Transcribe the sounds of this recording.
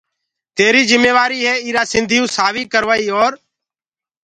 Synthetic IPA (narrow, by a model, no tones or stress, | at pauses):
t̪eːɾiːzɪmeːʋaːɾiːɦeːiːɾaːsɪnd̪ʱijũːsaːʋiːkəɾʋaːiːoːɾ